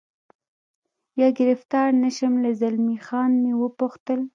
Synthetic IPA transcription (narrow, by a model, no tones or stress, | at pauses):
jɑɡɪɾɪft̪ɑɾnaʃəmlazalmixɑnmewəpuxt̪əl